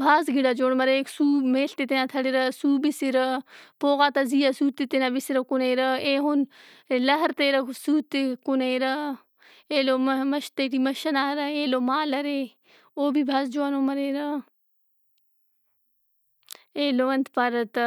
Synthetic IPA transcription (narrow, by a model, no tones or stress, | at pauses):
bʱaːzɡiɽaːd͡ʒoːɽmɐɾeeːksuːmeːɬt̪et̪enãːt̪ʰɐɽeɾɐsuːbisiɾɐpoːɣaːt̪ɐzijasuːt̪it̪inaːbisiɾɐkuneːɾɐeːɦun | lɐɦəɾt̪eːɾɐsuːt̪ekuneːɾɐ | eːloːmɐʃt̪eʈimɐʃɐnaːɐɾɐeːloːmaːlɐɾeː | oːbʱibʱaːzd͡ʒoanoːmɐɾeːɾɐ | eːloːʋɐnt̪ʰpaɾɐt̪